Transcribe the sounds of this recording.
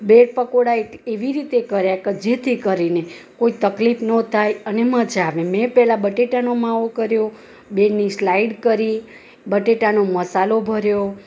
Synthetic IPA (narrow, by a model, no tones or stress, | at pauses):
beɽ̚pəkoɽaeeʋiɾit̪ekəɾjakəd͡ʒet̪ʰikəɾinekoit̪əklifnət̪ʰajənemə̃d͡ʒaʋẽmɛ̃pɛɦlabəʈeʈanomãokəɾjo | beɽnislaiɖkəɾi | bəʈeʈanoməsalobʱəɾjo